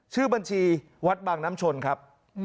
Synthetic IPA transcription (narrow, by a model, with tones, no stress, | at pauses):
t͡ɕʰɯː˥˩ba˧nt͡ɕʰiː˧ | wa˦˥t̪̚baː˨˩ŋnaː˦˥mt͡ɕʰo˧nkʰa˦˥p̚